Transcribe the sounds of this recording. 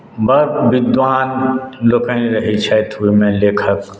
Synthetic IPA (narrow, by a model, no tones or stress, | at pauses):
bəɾbɪd̪ʋaːnloːkəĩɾɐɦit͡ʃʰɛt̪ʰuimẽleːkʰək